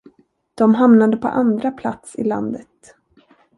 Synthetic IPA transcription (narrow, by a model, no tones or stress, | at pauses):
d̪̥ɔmɦamnad̪əpʰɔ̰ʔand̪ɾapʰlat̪sɪ̰la̰nd̪ət̪